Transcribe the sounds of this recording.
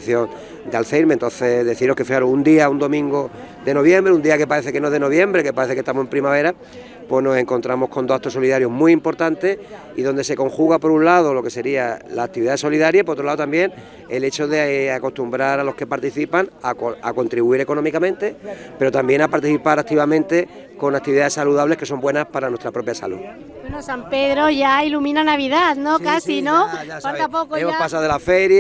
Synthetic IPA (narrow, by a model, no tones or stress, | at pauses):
θjoŋ | d̪ealθe̞jɾmẽnt̪o̞n̟θe̞ðe̞θiɾnokefixaɾuund̪iaund̪o̞mĩŋɡo | d̪e̞no̞βje̞mbɾeund̪iake̞paɾe̞θekenoðe̞noβ̞je̞mbɾe̞ke̞paɾe̞θeke̞st̪amose̞mpɾimaβ̞e̞ɾa | pweɦno̞se̞ŋko̞nt̪ɾamo̞hko̞nd̪o̞at̪oso̞liðaɾjo̞ɦmwiiːmpo̞ɾt̪ant̪e̞s | iðo̞nd̪e̞se̞ko̞ŋxuɣapo̞ɾunlað̞o̞lo̞ke̞se̞ɾialaːk̚t̪iβiðaeso̞liðaɾjapoɾot̪ɾaðot̪ambje̞n | e̞le̞t͡ʃo̞ðe̞ako̞st̪umbɾaɾaloske̞paɾt̪iθipaŋaa̰ko̞nt̪ɾiβuiɾe̞ko̞no̞mikamẽ̞nt̪e̞ | pe̞ɾo̞t̪ambje̞ŋnapaɾt̪iθipaɾak̚t̪iβamẽnt̪e̞ | ko̞ŋak̚t̪iβiðaðe̞saluðaβle̞hke̞so̞mbwe̞naspaɾanwest̪ɾapɾo̞pjasa̰lṵð | wenosampe̞ðɾo̞ʝailumĩnanaβ̞iðaðno̞kasinofalapokoeopasaðelafe̞ɾja